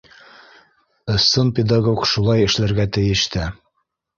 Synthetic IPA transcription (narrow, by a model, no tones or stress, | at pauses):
ɤ̆sːɤnpʲed̪aɡokʃulˠɑjɘ̆ʃlæɾɡæt̪ɘ̆jɘ̆ʃt̪ɘ